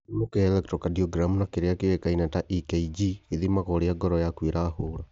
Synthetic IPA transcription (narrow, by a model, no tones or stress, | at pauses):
mokeɛlɛk̚tɾɔkadiɔɡɾamunakeɾeakewekainataʔikeid͡ʒieðimakɔɾeaɡɔɾɔjakwiɾaːhoɾa